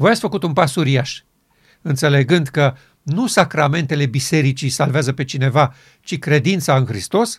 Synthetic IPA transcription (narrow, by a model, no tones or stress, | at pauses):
vojat̪sʲfəkut̪unpasuɾijaʃ | ɨnt̪se̞le̞ɡɨnd̪kə | nusakɾame̞nt̪e̞le̞bise̞ɾit͡ʃisalveazəpet͡ʃine̞va | t͡ʃikɾe̞d̪int̪saɨnxɾist̪o̞s